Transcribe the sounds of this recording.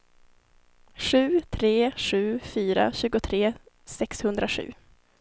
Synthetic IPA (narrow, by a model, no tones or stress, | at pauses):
ɧʉ̟ːt̪ʰɾeːʂʉ̟ːfyːɾa̰ɕʉ̟ːɡʊt̪ʰɾeː | sɛkshɵnd̪ɾaʂʉ̟̰ː